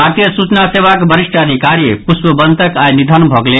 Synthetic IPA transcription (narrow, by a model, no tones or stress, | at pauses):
ɦaɾt̪jəsut͡ʃnaseʋakbʱəɾisʈʰanikaɾijepusbəbənt̪əkajnid̪ʱanbʱɔɡle